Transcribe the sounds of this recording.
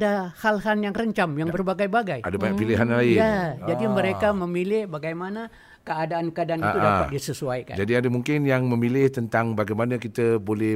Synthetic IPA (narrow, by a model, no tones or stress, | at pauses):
dahalɦanjaŋrəɲt͡ʃamjaŋbərbaɡajbaɡajadabaɲapiliɦanlaɪand͡ʒadiməɾekaməmilɪhbaɡajmana | kəadaankəadaaniaudapat̚disəsuajka̰nd͡ʒadiadamuŋkɪnjaŋməmilɪht̪ənt̪aŋbaɡajmanakit̪əbolɛ